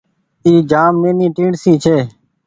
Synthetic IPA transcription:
iːd͡ʒaːmːẽːnĩːʈĩːɽsĩːt͡ʃʰeː

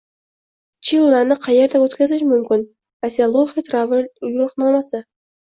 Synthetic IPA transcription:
t͡ʃʰilˠːaɾnɪqʰɑjeɾd̪awot̪kʲazɪʃmʊmkʲɪn | asialˠoχet̪ʰɾavɪnjʊlqnɑlˠmasa

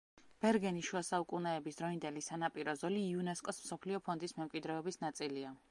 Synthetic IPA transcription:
b̥ɛɾɡɛniʃuasaukʼunɛːbisd̪̥ɾɔind̪ɛlisanapʼiɾɔzɔliːunɛskʼɔsmsɔpʰliɔpʰɔnd̪ismɛmkʼwid̪ɾɛɔbisnat̪sʼilia

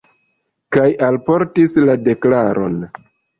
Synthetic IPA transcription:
kajalpo̞ɾtislade̞klaɾʔo̞̰n

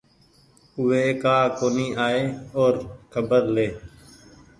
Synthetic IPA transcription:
ʊʋeːkaːkoːniːʔaːeːoːɾkʰəbəɾleː

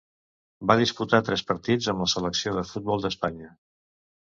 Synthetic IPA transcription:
baðisput̪at̪ɾɛspəɾt̪id͡zəmləsələksioðəfut̪̚bɔlˠd̪əspaɲə

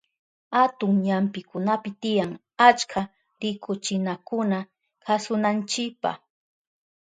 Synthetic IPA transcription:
hat̪ʊŋɲampɪkʊnapɪt̪ɪjaŋ | at͡ʃkʰa | ɾɪkʰʊt͡ʃɪnakʊna | kasʊnant͡ʃɪkpa̰

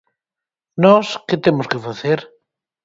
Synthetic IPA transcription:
nɔsket̪emʊskefaθeɾ

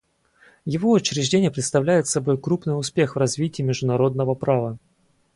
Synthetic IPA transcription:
jɪvo̞ʊt͡ɕɾʲɪʐdʲenʲɪjəpɾʲɪt̪st̪ɐvlʲæjɪt̪sɐbo̞jkɾupnɨjʊspʲe̞xvrɐzvʲitʲɪːmʲɪʐd̪ʊnɐɾo̞d̪̚nəvəpɾavə

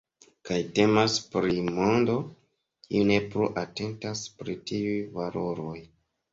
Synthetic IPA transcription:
kajte̞maspɾimo̞ndo̞ | kḭune̞pɾuʔate̞ntaspɾitiujvalo̞ɾo̞j

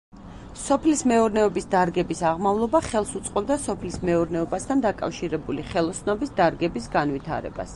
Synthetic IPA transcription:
sɔpʰlismɛɔɾnɛɔbisd̪aɾɡɛbisaʁmavlˠɔbaχɛlˠsut̪sʼqʼɔb̚d̪asɔpʰlismɛɔɾnɛɔbast̪ʰand̪akʼa̰fʃiɾɛbuliχɛlˠɔsnɔbisd̪aɾɡɛbisɡanvit̪ʰa̰ɾɛ̰ba̰s

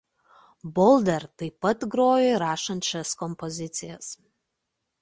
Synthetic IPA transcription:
bolˠdɐrtɐjpɐtɡɾoːjeɾaːʂɐnt͡ʃʰɐskɔmpozʲɪtt͡s̪ʰɪjas

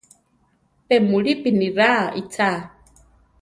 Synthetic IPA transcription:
pɛmuɺipiniɾaʔit͡sʰa

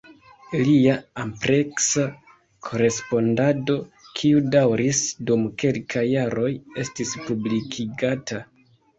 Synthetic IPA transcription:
liaːmpɾe̞ksa | kʰo̞ɾe̞spo̞ndado̞kʰiudawɾisdumke̞lkʰajːaɾo̞je̞stispublikʰiɡatʰa

